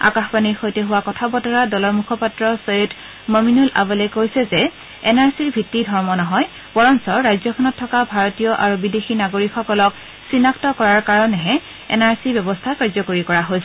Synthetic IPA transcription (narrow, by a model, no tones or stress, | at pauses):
a̰kaxbaniɹxojteɦuwakɔtʰabɔtɔɹadɔlɔɹmukʰɔpatɹɔsojut | mɔminula̰bɔlɛkojsɛzɛ | ɛnaɹsiɹbʱitːidʱɔɹmɔnɔɦɔj | bɔɹɔnsɔɹajzɔkʰɔnɔtʰːɔkabʱaɹɔtijɔʔaɹubidexinaɡoɹikxɔkɔlɔk | sinaktɔkɔɹaɹkaɹɔnɛɦɛ | ɛ̰naɹsiɹbjɔbɔstʰakaɹzɔkoɹikɔɹaɦojsɛ